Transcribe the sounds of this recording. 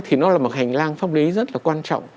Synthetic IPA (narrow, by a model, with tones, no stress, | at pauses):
t̪ʰi˨˩nɔ˨˦laː˨˩mo˨˩t̚ha˨˩jŋ̟laː˧ŋfaː˦˥p̚li˨˦zə˦˥t̚laː˨˩kwaː˧nt͡ɕɔ̰˧˨wŋ͡m